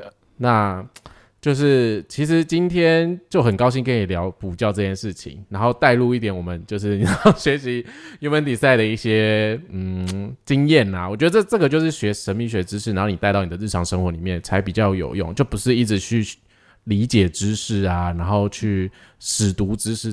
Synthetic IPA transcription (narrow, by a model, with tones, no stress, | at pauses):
na˥˧ | t͡ɕjo˥˧ʊʂɻ̩˥˩t͡ɕʰi˧˥ʂ̬ɻ̩˧˦t͡ɕi˦nt̪ʰjɛ˥nt͡ɕjo˥˩ʊxə˨˩nkɑ˥ʊɕi˥˧ŋkə˦˥ni˨˩ljɑ˧˥ʊpu˨˩t͡ɕjɑ˥˧ʊʈ͡ʂɤ˥˧t͡ɕʰjɛ˥˧nʂɻ̩˥˩t͡ɕʰḭ˨˦ŋna˧˥nxo˥˧ʊt̪a˥˧ɪlu˥˧i˥˩t̪jɛ˨˦nwɔ˨˩mə˦nt͡ɕjo˥˧ʊʂ̬ɻ̩˥˩ni˨n˨˥˦ɕɥɛ˧˦ɕi˧˦u˧˥mə˧˦nt̪i˨˩sa˥˩ɪɾə˩i˥˩ɕjɛ˥n̩˥˩˨t͡ɕi˦˥ŋjɛ˥˩na˨˩wɔ˨˩t͡ɕɥɛ˧˥d̪ə˧t͡sʈ͡ʂɤ˥˩ɡə˩t͡ɕjo˥˧ʊʂɻ̩˥˩ɕɥɛ˧˥ʂə˧˥nmi˧ŋɕɥɛ˧˥ʈ͡ʂɻ̩˥ʂɻ̩˥˩˨xo˥˩ni˨˩t̪ɪt̪ɑ˥˩ʊni˨˩ə˦˧ɻ̩ʰ˥˩ɑ˧˥ŋʂə˥ŋxwɔ˧˥li˨˩mjɛ˥˩nt͡sʰa˧˥ɪpi˨˩t͡ɕjɑ˥˩ʊjo̰˨˩ʊjo̰˥˨ŋt͡ɕjo˥˩ʊpu˧˦˥ʂɻ̩˥˧i˥˩ʈ͡ʂɻ̩˨˩t͡ɕʰy˥˩ | li˧˥t͡ɕjɛ˨˩ʈ͡ʂɻ̩˦ʂɻ̩˥˩a˩na˧˥nxo˥˩ʊt͡ɕʰy˥˩ | ʂɻ̩˨˩t̪u˧˥ʈ͡ʂɻ̩˥ʂɻ̩˥˩